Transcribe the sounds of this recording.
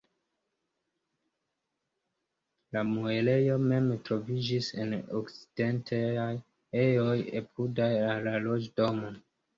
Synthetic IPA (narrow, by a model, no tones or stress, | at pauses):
lamuele̞jo̞me̞mtɾo̞vid͡ʒisḛno̰kt͡si̥d̥e̞ntʰaaj | ejo̞jepudajalalo̞d͡ʒdo̞mo